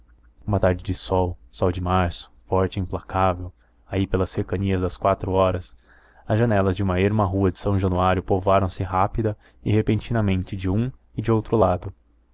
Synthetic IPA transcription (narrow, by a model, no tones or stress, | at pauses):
ũmɐt̪aɾd͡ʒɪd͡ʒɪsɔwsɔwd͡ʒɪmaɾsʊ̥fɔɾt͡ʃɪĩmplakavew | aipelɐseɾkɐniɐzd̪ɐskwat̪ɾʊɔɾɐs | ɐzʒɐnɛlɐzd͡ʒɪũmɐeɾmɐɦuɐd͡ʒɪsɐ̃w̃ʒɐnuaɾjʊpovaɾɐ̃w̃sɪɦapid̪ɐ | ɪhepẽnt͡ʃinɐmẽnt͡ʃɪd͡ʒɪũɪd͡ʒɪowt̪ɾʊlad̪ʊ